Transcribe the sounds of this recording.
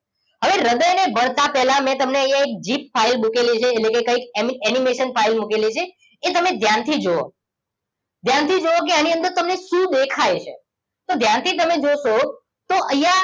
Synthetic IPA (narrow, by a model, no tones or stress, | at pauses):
ɦəʋeɾəd̪əjnebəɳt̪apɛlamɛ̃t̪əmneəjãek̚d͡ʒip̚failmukelit͡ʃʰeːlekekəikɛnimeʃənpʰailmukelit͡ʃʰeː | t̪əmed̪ʱjant̪ʰid͡ʒoo̰ | d̪ʱjant̪ʰid͡ʒook̬eañiə̃nd̪əɾt̪əmneʃũd̪ekʰajt͡ʃʰḛ | t̪od̪ʱjant̪ʰit̪̬əmed͡ʒoʃo | t̪oʔəjã